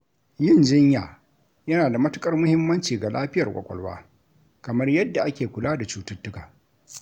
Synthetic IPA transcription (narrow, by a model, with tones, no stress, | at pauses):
jɪ˦˨nd͡ʒɪ˦ɲjaː˨ | jɐ˦naː˨da˨mɐ˦tʊ˦kʼɐ˦rmʊ˦hɪ˦mːɐ˦nt͡ʃiː˨ɡa˨lʔaː˦ɸɪ˦jɐ˨kʷʼɐ̰˨kʷʼɔ̰˨lwa̰ː˦ | kɐ˨mɐ˦rjɐ˦dːa˨ʔa˦kʲeː˨kʷʊ˨laː˦da˨t͡ʃuː˦tɐ˦tːʊ˦kaː˨